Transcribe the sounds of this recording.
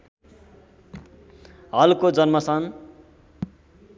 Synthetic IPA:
ɦʌlkod͡zʌnmʌsʌn

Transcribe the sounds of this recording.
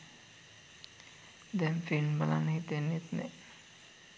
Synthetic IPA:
d̪ɛnfinbala̰nhit̪enːit̪nɛ

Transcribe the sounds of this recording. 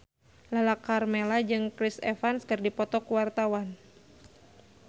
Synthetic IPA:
lalakarmelad͡ʒɨŋkɾisefanskɨrdipɔt̪ɔkuwart̪awan

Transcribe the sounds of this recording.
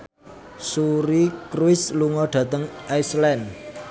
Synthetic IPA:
suɾikɾuɪsluŋɔɖ̥ä̤t̪əŋʔaislɛn

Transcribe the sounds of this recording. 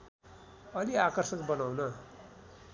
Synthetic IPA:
ʌliakʌrsʌkbʌnawnʌ

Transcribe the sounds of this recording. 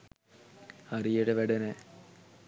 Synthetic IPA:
ɐrijuɽeʋeɽɐne

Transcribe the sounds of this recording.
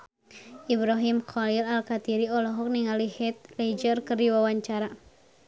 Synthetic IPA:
ʔibɾaɦimkɔlilalkat̪iɾiɔlɔɦɔk̚niŋalihɛt̪̚led͡ʒərkɨrdiwawaɲt͡ʃaɾa

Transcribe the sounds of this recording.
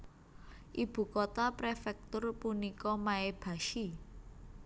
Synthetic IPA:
ʔib̥ṳkot̪apɾefɛk̚t̪ʊrpunikɔmaeb̥a̤ʃi

